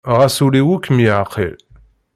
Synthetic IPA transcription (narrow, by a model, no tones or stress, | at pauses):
ʁæsuliwukːmjəʕqʰḭl